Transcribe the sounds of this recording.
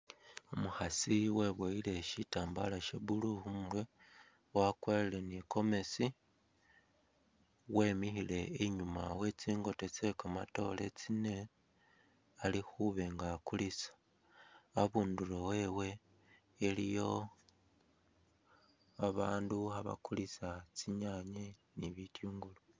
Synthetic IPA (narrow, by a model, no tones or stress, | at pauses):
omuxasiwe̞βwoile̞ʃitaːmbalaʃeβuluhumwe | wakweleleniko̞me̞si | we̞ːmixile̞eɲumawe̞t͡siːŋɡo̞te̞t͡sekama̰to̞le̞t͡sine̞ | alixuβe̞ŋɡakulisḁ | aβuːndulowe̞we̞ː | lijo̞ | aβaːnduaβa̰kulisat͡siɲaɲeniβitjuːŋɡulo